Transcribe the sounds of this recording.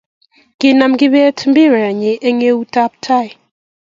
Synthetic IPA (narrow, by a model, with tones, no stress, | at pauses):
kɪ˦na˨mɡɪ˦βɛ˦tm˦bi˦ɾɛ˨ɲi˨ʔe˦ŋe˦u˦ta˦p̚tʰa˦˨j